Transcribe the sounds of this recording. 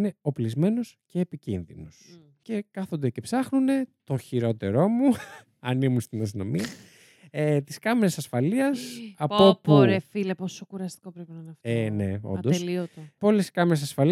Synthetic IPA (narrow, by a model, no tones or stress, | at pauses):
ne̞o̞plizme̞no̞sce̞ːpicinðinos | ce̞kɐθond̪ece̞psɐxnune̞t̪o̞çiɾo̞t̪e̞ɾo̞mu | ɐnimunst̪inɐs̬t̪ino̞̰miɐ | et̪iskɐmeɾesɐsfɐliɐsɐpopuɾefileposokuɾɐst̪i̥kopɾepinɐnɐfene̞̰o̰nd̪osiot̪epo̞leskɐmeɾesɐsfɐli